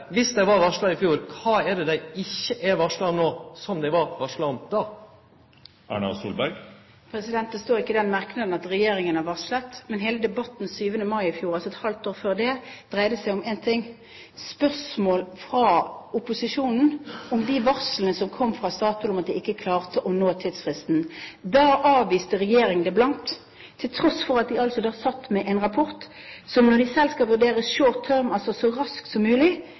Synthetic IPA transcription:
ʋɪsd̪æɪʋɑɾʋɑʂlɑɪfjuːɾkʰɑːæd̪ɛd̪æɪɪçːəʔæɾʋɑʂlɑnoːsɔmd̪ɛɪʋɑɾʋɑʂlɑnd̪̥ɑː | æ̰ɳɑ̰sṵːlbæɾɡ | pʰɾɛsɪd̪ɛnt̪̚d̪ɛst̪oːʁɪkːəd̪ɛnmɑʁknɑd̪n̩ɑt̪ʁɛjeːɾɪŋənɑʋɑʂlət̪mɛnɦeːləd̪ɛbɑt̪ːn̩syːʋənəmɑɪɪfjuːɾɑlsɔɛt̪hɑlt̪oːʁføːʁd̪ɛd̪̥ʁæɪd̪əsæɪɔmɛnt̪ʰɪŋː | spœʁsmoːlfʁɑʊpʊsɪʃuːnn̩ɔmd̪iʋɑʁslənəsɔmkʰɔmːfʁɑst̪ɑːt̪əlɔmɑt̪d̪ɪɪkːəkʰlɑːʁt̪əʔɔnoːt̪ʰiːd̪sfʁɪst̪n̩d̪ɑːʔɑːʋʋiːst̪əɾɛjeːɾɪŋənd̪ɛblɑnt̪ʰː | ɪlt̪ʰɾɔsfɔɾɑt̪̚d̪ɪɑlsɔd̪æːsɑt̪ːmɛʔɛnʁɑpʰɔʁt̪ | sɔmnɔd̪ɪsɛlskɑlʋʉʁd̪eːʁəʃoːt̪ʰːœʁmɑlsɔsɔɾɑsksɔmːʉːlɪ

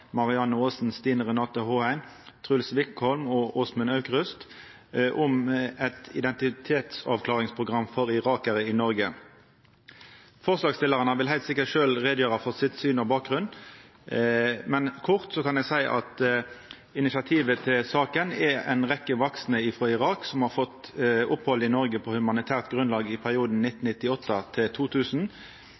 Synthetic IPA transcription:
mɑʁɪɑnːəoːsn̩st̪iːnəʁɛnɑːt̪əhoːæɪn | t̪ʰʁʉlsʋɪkhɔlmɔʔoːsmənɑʉkʁʉst̪ | ʔʊmɛt̪ɪ̰d̪ɛnt̪ɪt̪ʰeːt̪sɑ̰ːʋkʰlɑːʁɪŋspʰʁʊɡʁɑmːfɔʁɪʁɑːkəʁəɪnɔʁɡə | fɔʁslɑːɡst̪ɪlːəʁənəʋɪlɦæɪt̪sɪkːəʃøːlʁeːd̪jøːʁɑfɔsɪt̪syːnɔbɑːk̚ɡʁʉnː | mɛnkʰʊʁt̪sɔkɑnæsæɪʔɑ̰t̪ | ɪnɪsɑt̪ʰiːʋət̪ʰɪlsɑːkənɛɛ̰ɪnʁɛkːəʋɑksnəɪfʁɔɪʁɑːksɔmhɑːʁfɔt̪ʊphɔlɪnɔʁɡəpʰɔhʉmɑnɪt̪ʰæːʁt̪ɡʁʉnlɑːɡɪpʰæʁɪuːd̪n̩nɪt̪ːn̩nɪt̪ːɪɔt̪ːət̪ʰɪlt̪ʰuːt̪ʰʉːsn̩

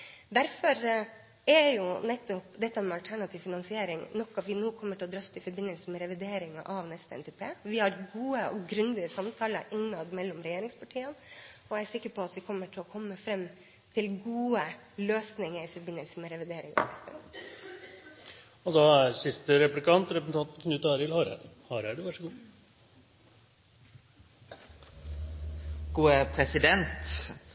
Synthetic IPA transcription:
d̪æɾfɔɾ | ɛjʊnɛt̪ːɔpd̪ɛt̪ːɑmɛɑlt̪ʰæɳɑt̪ʰɪʋfɪnɑnsɪeːɾɪŋnɔkːɑʋɪnoːkʰɔmːəʈʰɪlɔd̪ɾœft̪əɪfɔɾbɪnːəlsəmɛɾɛʋɪd̪eːɾɪŋɑ̰ʔɑʋnɛst̪əɛ̰nt̪ʰɛpʰeːʋɪhɑɾɡuːəɔ̰ɡɾʉnd̪ɪəsɑmt̪ʰɑːləɾʔɪnːɑd̪mɛlːɔmɾɛjeːɾɪŋspɑʈʰiːənɔæsɪkːəɾpʰɔɑt̪ʋɪkʰɔmːəʈʰɪlɔkʰɔmːəfɾɛm | t̪ʰɪlɡuːə | løːsnɪŋəɾɪfɔɾbɪnːəlsəmɛɾɛʋɪd̪eːɾɪŋɑ̰ɪst̪ɛ̰nə̰ | ɔd̪ɑæɾsɪst̪əɾɛplɪkʰɑnt̪ɾɛpəsn̩ʰɑnt̪n̩kʰnʉːt̪ɑɾɪlhɑːɾæ̰d̪hɑːɾæɖʉʋæʂəɡuː | ɡ̥uːəpʰɾɛsɪd̪ɛnt̪

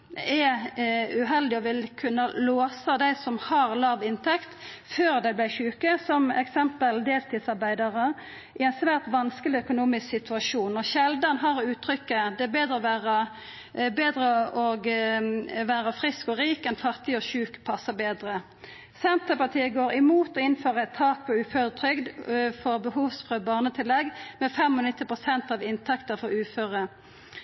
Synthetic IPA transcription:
ɛ | ʉɦɛld̪ɪɔʋɪlkʰʉnːəloːsəd̪æɪsɔmhɑʁlɑːʋɪnt̪ʰɛkt̪ | føːʁd̪æɪblæɪçʉːkəsɔmɛ̰ksɛmpəld̪eːlt̪ʰɪd̪sɑʁbæɪd̪ɑʁə | ɪɛnsʋæːʁt̪ʋɑnskəlɪœkʊnuːmɪsksɪt̪ʰʉɑʃuːnɔçɛld̪ɑnɦɑʁʉːt̪ʰɾʏkːəd̪ɛɛbeːd̪ɾəɔʋæːʁə | beːd̪ʁəɔɡ | ʋæːʁəfʁɪskɔʁiːkɛnfɑʁt̪ɪɔçʉːkpʰɑsːəbeːd̪ʁə | sɛnt̪əpɑʁt̪ʰiːəɡoːʁɪmuːt̪ɔɪnføːʁəɛt̪ʰːɑːk̚pʰɔʉːføːʁət̪ʰʁʏɡd̪fɔʁbəɦuːʋsfʁøːbɑːʁnət̪ʰɪlːɛɡmɛfɛmɔnɪt̪ːɪpʁʊsɛnt̪ɑːʋɪnt̪ʰɑkt̪əʁfɔʁʉːføːʁə

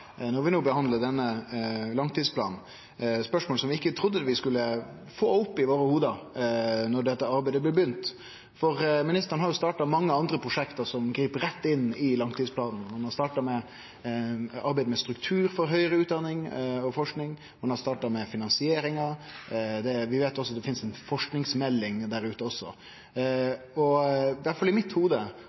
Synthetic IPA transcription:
nɔɾʋɪnuːbəhɑnd̪ləd̪ɛnːəlɑŋt̪ʰiːd̪spʰlɑ̰ːnn̩ | spœʂmoːlsɔmʋɪɪkːət̪ʰɾʊd̪ːəʋɪskʉlːə | foːʊpːɪʋoːɾəhuːd̪ɑ | nɔɖɛt̪ːəɑɾbæɪd̪əblɛbjʏnt̪ | fɔɾmɪnɪst̪əɾənɦɑɾjʊst̪ɑːʈɑmɑŋːəɑnd̪ɾəpʰɾʊʂɛkt̪əsɔmɡɾiːpəɾɛt̪ːɪnɪlɑŋt̪ʰiːd̪spʰlɑːd̪n̩mʊnhɑst̪ɑːʈɑmɛ | ɑɾbæɪd̪əmɛst̪ɾʉkt̪ʰʉːɾfɔɾɦœʏəɾəʉːt̪̚d̪ɑnːɪŋɔfɔʂknɪŋ | mɑnhɑɾst̪ɑːʈɑɾmɛfɪnɑnsɪeːɾɪŋɑ | d̪ɛʋɪʋeːt̪jɔsːɔd̪ɛfɪnsɛnfɔʂknɪŋsmɛlːɪŋd̪æɾʉːt̪əɔsːɔ | ɔʋæʈfɑlɪmɪt̪huːd̪ə

